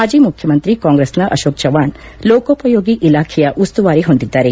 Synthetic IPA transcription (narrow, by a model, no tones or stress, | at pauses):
ɦaːd͡ʒiːmukʰjɐmɐnt̪ɾikaːŋɡɾesnɐʔɐʃoːk̚t͡ʃɐʋaːɳ | loːkoːpɐjoːɡiʔilaːkʰɛjɐʔust̪uʋaːɾiɦond̪id̪ːaːɾe